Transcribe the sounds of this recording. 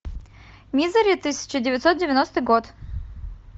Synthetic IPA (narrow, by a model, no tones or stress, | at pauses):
mʲizəɾʲɪt̪ɨsʲɪ̥t͡ɕɪdʲɪvʲɪt̪sot̪̚dʲɪvʲɪnost̪ɨjɡot̪